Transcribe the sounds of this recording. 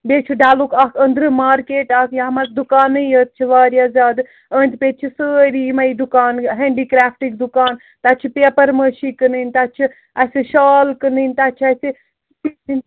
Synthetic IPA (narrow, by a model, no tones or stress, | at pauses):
bet͡ʃʰiɖaːlukaːkʰənd̪ɾɨmaːɾkeːʈaːkʰjaɦɐmaɾkd̪ukaːnəjət̪̚t͡ʃʰiʋaːɾjazʲaːd̪ | ənt̪pet̪̚t͡ʃʰisəɾimɐjd̪ukaːnɦeɳɖikɾaːpʰʈik̚d̪ukaːn | t̪aːt͡ʃʰipepəɾməʃikənɨnʲt̪at͡ʃʰi | asiʃaːlkənɨnʲt̪at͡ʃʰiasi